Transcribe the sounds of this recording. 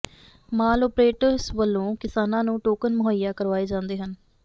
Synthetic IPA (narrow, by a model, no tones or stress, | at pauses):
maːlɔːpɾeːʈəɾsʋəlːõːkɪsaːnãːnũːʈoːkənmʊɦəjːaːkəɾʋaːeːd͡ʒãːnd̪eːɦən